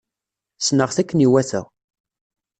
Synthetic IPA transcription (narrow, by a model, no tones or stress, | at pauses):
snəʁθækːəniwæθə̰ʁ